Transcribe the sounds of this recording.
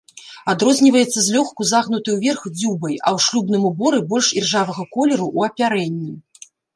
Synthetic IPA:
ad̪ɾɔzʲnʲivɐjɛt̪sːɐzʲlʲɔxkuzaɣnut̪ɨjuvʲɛrxd͡zʲubɐjɐwʂlʲubnɨmubɔɾɨbɔlʲʂirʐavɐɣɐkɔlʲɛɾuʔuɐpʲaɾɛnʲːi

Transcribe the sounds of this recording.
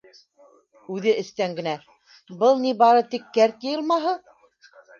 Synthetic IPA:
ʉðɘʔɘ̆st̪æŋɡɘ̆næ | bɤlˠnibɑɾɤt̪ikːæɾt̪jɤ̆jɤ̆lˠmɑɦɤ

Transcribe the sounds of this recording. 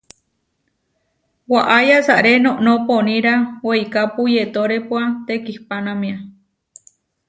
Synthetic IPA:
waʔajasaʔɾenõʔnoponĩɾaweikapujet̪oɾepwat̪ekihpanamĩa

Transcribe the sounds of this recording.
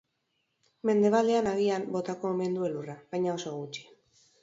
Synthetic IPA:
me̞nd̪e̞βald̪e̞anaɣ̞iambo̞t̪ako̞me̞nd̪ue̞luraβajɲao̞so̞ɣut͡ʃi̥

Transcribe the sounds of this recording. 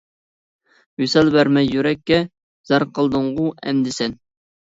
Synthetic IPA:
jysɛlbæɾmɛjjyɾɛkʲːɛ | z̥ɑɾqʰəlˠd̪ɨɴʁʊɛ̰nd̪ɪsɛn

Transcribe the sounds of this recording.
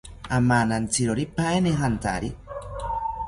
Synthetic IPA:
amanant͡siɾoɾipaeneɦant̪a̰ɾi

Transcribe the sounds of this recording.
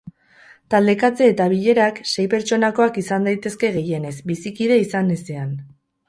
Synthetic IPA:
t̪ald̪e̞kat͡se̞ːt̪aβiʎe̞ɾakse̞jpe̞ɾt͡ʃo̞nako̞akisand̪ajt̪e̞ske̞ɣe̞je̞ne̞sbisikiðe̞isanesean

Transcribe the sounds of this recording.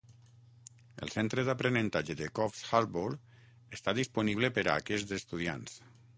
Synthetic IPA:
ə̰lˠsent̪ɾəðapɾenənt̪ad͡ʒeðekɔfsxaɾboɾ | əst̪aðispuniβlepəɾa̰ːkɛzd̪est̪uðia̰ns

